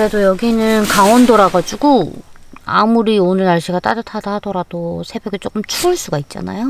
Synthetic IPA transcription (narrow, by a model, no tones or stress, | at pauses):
kɯɾe̞dojʌɡinɯnkaŋʌndoɾaɡad͡ʑuɡu | a̰muɾionɯnaɭɕ͈iɡat͈aɾatʰadahadʌɾad̥osʰe̞bjeɡɯt͡ɕ͈ok͈ɯmt͡ɕʰuɯɭs͈uɡait̚t͡ɕ͈a̰na̰jo